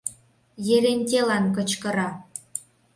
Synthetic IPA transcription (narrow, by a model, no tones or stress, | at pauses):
jeɾenʲt̪̬ʲelɑnkɤ̆t͡ɕkɤ̆ɾɑ